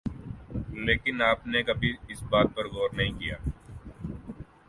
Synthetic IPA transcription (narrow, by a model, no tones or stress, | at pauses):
leːkɪnaːpnekɐbʱiɪsbaːt̪̚pɐɾɣoːɾnɐɦĩkija̰ː